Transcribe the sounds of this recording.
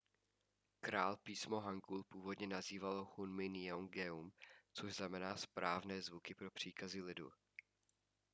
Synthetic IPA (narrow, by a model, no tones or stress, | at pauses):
kɾaːlpiːsmoɦaŋɡulpuːvo̞dɲɛnaziːvalohunmɪnɪoŋɡɛumt͡soʒznamɛnaːspɾaːvnɛːzvukɪpɾo̞pr̝̥iːkazɪlɪdṵ